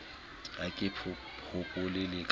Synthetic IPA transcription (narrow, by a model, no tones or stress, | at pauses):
akʼɪpʰʊ | ʊkʼʊlɪlɪkʼ